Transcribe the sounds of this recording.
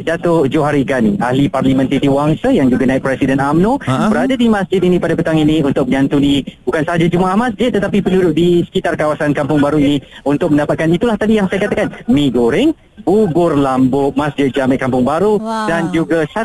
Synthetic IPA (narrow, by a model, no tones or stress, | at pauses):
dat̪ʊd͡ʒoɦaɾiɡaniʔahliparlimə̃nt̪id̪iwaŋsajaŋd͡ʒuɡanaɪk̚pɾɛsidənamnõbəɾadadimasd͡ʒɪt̪inĩpadapət̪aŋiniunt̪ʊk̚məɲãnt̪unibukansəɦad͡ʒad͡ʒumaʔahmasd͡ʒɪt̪̚t̪ːət̪apipəndudʊʔ̚disə̥kit̪arkawasankampʊŋbaɾuinĩunt̪ʊk̚məndapat̪̚kanit̪ulaht̪adijaŋsajakat̪akanmĩɡoɾɪŋ | bubʊrlambʊʔ̚masd͡ʒɪt̪̚d͡ʒamət̪ʔ̚kampʊŋbaɾudand͡ʒuɡasa